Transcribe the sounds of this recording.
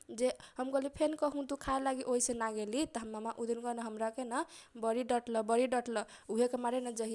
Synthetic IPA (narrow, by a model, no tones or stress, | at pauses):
d͡ʒehəmkəlipʰenkəɦũt̪ukʰaelaɡiʔoɦisẽnaɡelit̪əɦəmːamaʔud̪inkɔnəɦəmɾakenəbʌɾiɖəʈləbəɾiɖəʈlə | uɦekemaɾenəd͡ʒəɦi